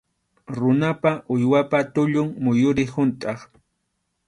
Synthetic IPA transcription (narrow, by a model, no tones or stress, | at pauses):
ɾʊnapaʔʊjwapat̪ʊʎʊŋmʊjʊɾɪhʊnt̪ʼɑχ